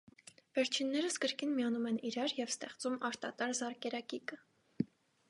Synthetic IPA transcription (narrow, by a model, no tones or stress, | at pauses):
vɛɾt͡ʃʰinːɛɾəskəɾkinmijɑnumɛniɾɑɾjɛvst̪ɛχt͡sumɑɾt̪ɑt̪ɑɾzɑɾkɛɾɑkikə